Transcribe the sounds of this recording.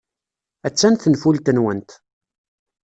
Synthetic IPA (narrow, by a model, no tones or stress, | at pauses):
æt͡sːænθənfult̪ənwənt̪